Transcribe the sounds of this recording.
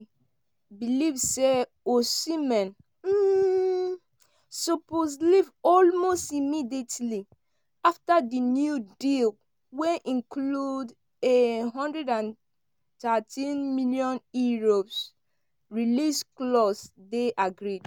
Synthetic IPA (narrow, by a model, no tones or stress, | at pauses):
bilivse | osimɛ̃n | m̩ | soposlivɔlmostimidietli | aftadinjudil | wɛʔĩnkʰlud | eɦɔ̃ndɹɛdãn | tatʰĩnmiljɔ̃njuɹos | ɹilisklɔsdeʔaɡɹid̥